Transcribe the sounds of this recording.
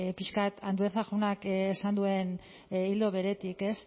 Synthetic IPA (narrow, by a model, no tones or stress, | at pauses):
piʃkat̪ʰand̪ueθaɣunakesand̪ue̞n | ild̪o̞βe̞ɾe̞t̪ike̞s